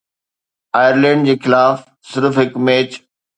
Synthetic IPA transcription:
aːjəɾlɛ̃ːɳɖ̚d͡ʑeːxɪlaːf | sɪɾfɦɪkmeːt͡ɕ

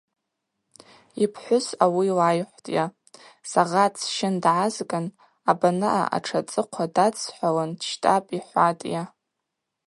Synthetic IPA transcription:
ipʰħʷʊsawilajħʷtʼja | saʁat͡sʰʃɪndʕazɡʼan | abanɨʔa̰ʔa̰ʈ͡ʂʰat͡sʼɨqʷʰadat͡sʼʰħʷalandʃtʼapʼiħʷatʼja

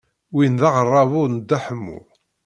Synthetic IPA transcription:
winðɑʁərˤːɑvʊɾnd̪ːæħəmːṵ

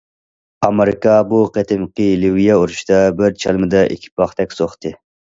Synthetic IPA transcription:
ɑmeɾɪkɑbuqʰet̪ʰɪmqilɪwijɑuɾuʃd̪ɑbɪɾt͡ʃʰɑlˠmɨd̪ɑʔḭkʲʰi̥pʰɑχt̪ɛkʲsoχt̪ɨ

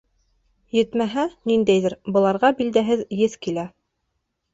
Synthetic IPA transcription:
jɘ̆t̪mæɦænind̪æjðɘɾbɤ̆lˠɑɾʁɑbild̪æɦɘðjɘθkilæ

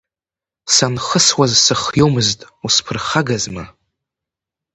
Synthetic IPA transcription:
sanχəswazsɨχjowmɨztʼuspʰɨrχaɡazma

